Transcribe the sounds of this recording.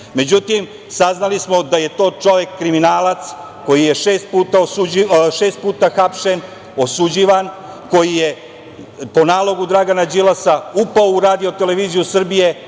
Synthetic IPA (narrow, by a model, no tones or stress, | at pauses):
me̞d͡ʑut̪im | saznalismo̞d̪aje̞t̪o̞ːt͡ʃo̞ʋje̞kːɾiminaːlat̪s | ko̞jijeʃeːst̪̚puːt̪aosuiʃeːst̪̚puːt̪axapʃen | o̞sud͡ʑiʋan | ko̞jije̞ | po̞naːlˠo̞ɡud̪ɾaɡanad͡ʑilasaupaouɾaːd̪io̞t̪eleʋiːzijusr̩bije̞